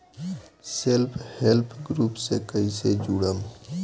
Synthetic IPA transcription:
selpʰhelpʰɡɾuːpsekəised͡ʒuɽəm

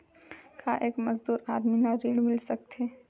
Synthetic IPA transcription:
kaʔeːkmɐzd̪uːɾaːd̪minaɾiːɽmɪlsɐk̚t̪eː

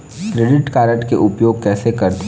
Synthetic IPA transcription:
kɾeːɖɪʈkaːɾəʈkḛʔʊpjoːɡ̚kɛːsekɐɾt̪

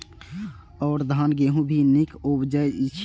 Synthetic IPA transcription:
ɔːɾd̪ʱaːnɡeɦũbʱinɪkʰubd͡ʒəjt͡ʃʰ

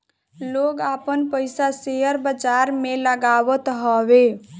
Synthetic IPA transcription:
loɡapənpəjsasejəɾbəd͡ʒaɾmeləɡabət̪ɦəbe

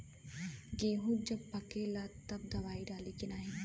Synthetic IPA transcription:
ɡeːɦũd͡ʒɐb̚pɐkelat̪ːɐb̚d̪ɐʋaːiɖaːlikinaːɦi

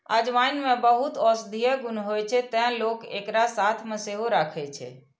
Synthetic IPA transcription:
əd͡ʒʋajnmebəɦut̪ɔsd̪ʱijəɡunɦojt͡ʃʰɛt̪ɛ̃ɦlokḛkɾasat̪ʰmẽseɦoɾakʰɛt͡ʃʰɛ̰

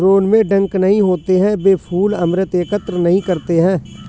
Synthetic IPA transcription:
ɾoːnmẽɖə̃ŋknəɦĩɦoːt̪eɦɛ̃beːpʰuːləmɾət̪eːkət̪ɾnəɦĩkəɾt̪eɦɛ̃ː

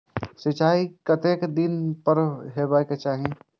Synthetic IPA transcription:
sɪt͡ʃaːikət̪eːkd̪inpəɾɦebaːjket͡ʃaːɦi

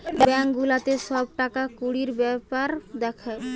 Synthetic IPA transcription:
bɛŋɡulat̪eʃɔb̚ʈakakuɽiɾbɛpaɾd̪ɛkʰa

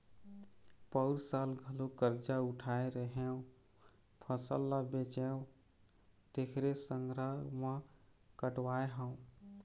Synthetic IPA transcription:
pəʊɾsalɡʱəlokəɾd͡ʒauʈʰaeɾəɦeũ | pʰəsə̰lːəbet͡ʃeũ | t̪ekʰɾesəŋɡɾəmã | kəʈwaeɦə̃ũ

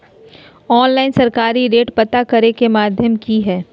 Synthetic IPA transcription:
ɔːnlaːɪnsɐɾkaːɾiɾeːʈpɐt̪akɐɾekemaːd̪ʱjəmkiɦɛː

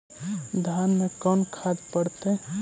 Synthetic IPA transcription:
d̪ʱanmekɔnkʰad̪pəɽt̪e

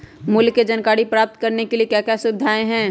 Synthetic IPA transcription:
mʊlkːed͡ʒənkaːɽipɾaːp̚t̪̚kəɾnekeliekjakjasʊbɪd̪ʱaːẽɦɛ̃

